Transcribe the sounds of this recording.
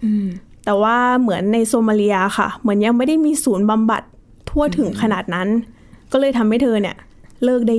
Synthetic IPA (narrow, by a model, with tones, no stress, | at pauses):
t̪ɛː˨˩waː˥˩mɯ˩˦ənːa˧jsoː˧maː˧li˧ɐxa̰˥˩mɯ˩˦ənja˧ŋma˥˩jda˥˩jmiː˧suː˩˦nba˧mba̰˨˩t̪ʰː | u˥˩ət̪ʰɯ˩˦ŋkʰa˧naː˨˩t̪̚na˦˥n | kɔː˥˩lɤː˧jt̪ʰa˧mha˥˩jt̪ʰɤː˧ni˧˩ə | lɤː˥˩k̚da˥˩